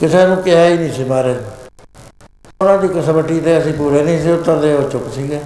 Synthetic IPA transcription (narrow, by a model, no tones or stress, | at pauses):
kɪseːnũːkɪɦaːiːnĩːsiːmaːɾeːn | ʊnãːd̪iːkəsəməʈːiːt̪eːəsĩːpuːɾeːnĩːseːʊt̪ːəɾd̪eːɦoːt͡ʃʊksiːɡeː